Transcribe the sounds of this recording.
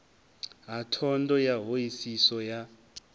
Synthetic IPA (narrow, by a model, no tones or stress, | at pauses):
ɦatʰɔndɔjaɦojisisɔja